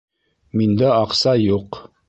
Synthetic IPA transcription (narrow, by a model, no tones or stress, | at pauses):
mind̪æɑqsɑjuq